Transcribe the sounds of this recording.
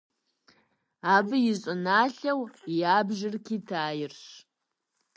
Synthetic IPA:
aːbɨjɪɕʼʊnaːɬɐwjaːbʒɪrkʰiːtʰaːjɪrɕ

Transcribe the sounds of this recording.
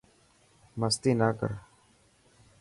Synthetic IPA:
məst̪iːnaːkə̰ɾ

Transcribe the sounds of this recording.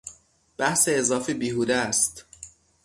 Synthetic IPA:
b̥æhseːzɒːfibiːɦud̪æst̪

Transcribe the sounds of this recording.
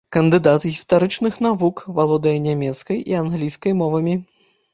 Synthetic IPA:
kɐnd̪ɨd̪at̪ɨɣʲist̪aɾɨt͡ʂnɨxn̪avukvalˠɔd̪ɐjɐnʲamʲɛt̪skɐjʔianɣlʲijskɐjmɔvɐmʲi

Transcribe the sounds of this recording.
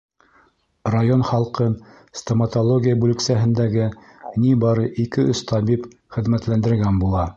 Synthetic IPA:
rajonχɑlˠqɤn | st̪omɐt̪olˠoɡʲijəbʉlɘ̆ksæɦɘ̆nd̪æɡɘ | nibɑɾɤʔikɘɵst̪ʰɑbip | χɘ̆ðmæt̪lænd̪ɘ̆ɾɡænbulˠɑ

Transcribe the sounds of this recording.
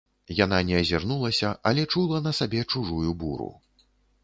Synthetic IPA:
jananʲɛɐzʲarnulˠɐsʲɐʔɐlʲɛt͡ʂulˠɐnɐsabʲɛt͡ʂuʐujubuɾṵ

